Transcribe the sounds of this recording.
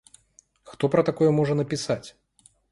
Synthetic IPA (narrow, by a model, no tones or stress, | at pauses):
xt̪ɔpɾɐt̪akɔjɛmɔʐɐnɐpʲisat͡sʲ